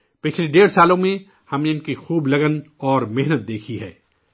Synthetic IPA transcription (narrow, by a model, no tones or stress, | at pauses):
pɪt͡ʃʰleɖeːɾsaːlõmẽ | hɐmneʊnkixuːblɐɡənɔːɾmɪɦnət̪̚d̪eːkʰiɦɛ̰ː